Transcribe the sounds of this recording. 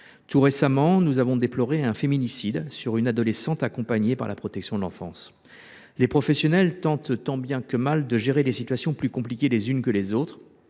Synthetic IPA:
t̪uʁesamɑ̃nuzavɔ̃d̪eplɔʁeɛ̃feminisid̪syʁynad̪ɔlesɑ̃t̪akɔ̃paɲepa̰ʁla̰pχɔt̪ɛksjɔ̃d̪əlɑ̃fɑ̰̃s | lepχɔfɛsjɔnɛlt̪ɑ̃t̪t̪ɑ̃bjɛ̃kəmald̪əʒeʁed̪esit̪ɥasjɔ̃plykɔ̃plikʲelezynkəlezot̪χ

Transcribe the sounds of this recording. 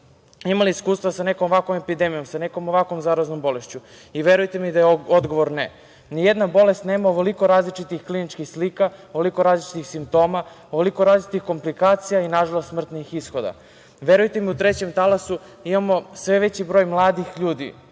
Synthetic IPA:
imaliiskuːst̪ʋasane̞ko̞moʋakʋo̞me̞pid̪emijo̞msane̞ko̞moʋakʋo̞mzaːɾaznombo̞le̞ʃt͡ɕu | iʋe̞ɾujt̪emid̪ajeod̪ɡo̞ʋoɾne | nijed̪nabo̞le̞st̪neːmaoʋoliko̞ɾaːzlit͡ʃit̪ixklinit͡ʃkixslikaoʋoliko̞ɾaːzlit͡ʃi̥t̪ixsimp̚t̪o̞ːma | oʋolikoɾaːzlit͡ʃit̪ixko̞mplikaːt̪sijainaʒalost̪smr̩t̪nixisxo̞d̪a̰ | ʋe̞ɾujt̪emiut̪ɾe̞t͡ɕe̞mt̪alasu | imamo̞sʋeʋe̞t͡ɕibɾo̞ːjmlˠaːd̪ixʎuːd̪ḭ

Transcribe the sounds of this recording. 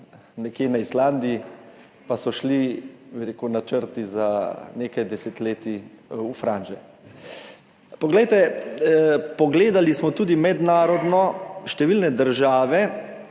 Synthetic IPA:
nɛkjeːnaisland̪ii | pasɔʃlibiɾeːkunat͡ʃəɾt̪izaneːkajd̪ɛset̪leːt̪iufɾanʒɛ | pɔɡlɛjt̪ɛ | pɔɡleːd̪alismɔt̪uːd̪imɛd̪naːɾɔd̪nɔʃt̪ɛʋilnɛd̪əɾʒaːʋɛ

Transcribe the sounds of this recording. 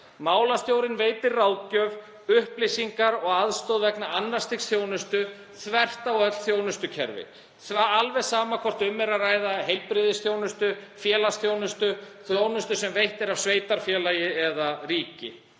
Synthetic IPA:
maːwlast̪jowɾɪnveːjt̪ɪrraːwcœv | ʏhplɪsiŋkaɾɔɣaðst̪owðvɛknaanːast̪iksθjoːwnʏst̪ʏ | θvɛr̥t̪aɔœt̪l̥θjownʏst̪ʏcʰɛ̰ɾvɪ̰ | θvaalvɛ̥saːmakʰvɔr̥t̪ʏmːɛɾaraːjðaɦejlpɾɪðɪsθjoːwnʏst̪ʏfjɛːlasθjownʏst̪ʏ | θjoːwnʏst̪ʏsɛmvejht̪ɪɾavsveːjt̪aɾ̥fjɛːlajɪɛðariːcɪ̰

